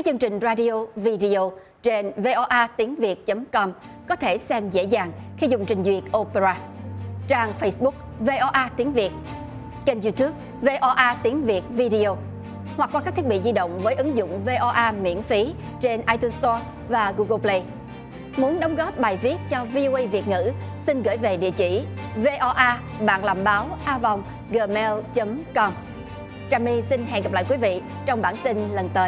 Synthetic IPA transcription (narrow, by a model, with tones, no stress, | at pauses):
kaː˦˥k̚t͡ɕɨ˧əŋt͡ɕï˨˩ŋ̟zaː˧ɗi˧o˧vi˧ɗi˧o˧ | t͡ɕe˧nve˧ʔɔ˧ʔaː˧t̪i˨˦əŋvi˨˩ət̚t͡ɕə˨˦mkɔ˧m | kɔ˨˦t̪ʰe˧˩sɛ˧mzḛ˧˥zaː˨˩ŋxi˧zʊ˨˩ŋ͡mt͡ɕï˨˩ŋ̟zwi˨˩ət̚ʔo˧pe˧ɾaː˧t͡ɕaː˧ŋfə˧jsɓʊ˦˥k̚ve˧ʔɔ˧ʔaː˧t̪i˨˦əŋvi˨˩ət̚ | t͡ɕe˧nzu˧t̪u˦˥p̚ | ve˧ʔɔ˧ʔaː˧t̪i˨˦əŋvi˨˩ət̚vi˧ɗi˧o˧ | hwa˨˩k̚kwaː˧ka˦˥t̪i˦˥t̚ɓḭ˧˨zi˧ɗə̰˧˨wŋ͡mvəː˨˦jʔɨ˨˦ŋzʊ̰˧˨ŋ͡mve˧ʔɔ˧ʔaː˧mḭ˧˥ənfi˨˦ | t͡ɕe˧nʔaː˧jt̪u˧nst̪ɔ˧ | vaː˨˩ɣu˧ɣə˧plə˧j | mu˨˦nɗə˨˦wŋ͡mɣɔ˦˥p̚ɓaː˨˩jvi˦˥ət̚t͡ɕɔ˧vi˧ʔo˧ʔə˧jvi˨˩ət̚ŋɨ̰˧˥sï˧nɣə̰ː˧˩jve˨˩ɗḭ˧˨ət͡ɕi˧˩ve˧ʔɔ˧ʔaː˧ | ɓa̰ː˧˨nla̰ː˧˨˩mɓaː˨˦wʔaː˧vɔ˨˩wŋ͡m | ɣəː˨˩mɛ˧lt͡ɕə˨˦mkɔ˧m | t͡ɕaː˧mi˧si˧nɦɛ̰˧˨nɣə˨˩p̚la̰ː˧˨jkwi˨˦vḭ˧˨ | t͡ɕɔ˧wŋ͡mɓaː˧˩nt̪i˧nlə˨˩nt̪əː˨˦j